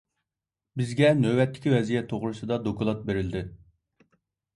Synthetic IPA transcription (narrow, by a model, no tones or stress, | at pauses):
bɪzɡʲɛnøbɛt̪ʰːɪ̥kʲivɛzijɛt̪ʰːoʁɾɨsɨd̪ɑd̪okʊlˠɑt̪̚beɾɪld̪ɪ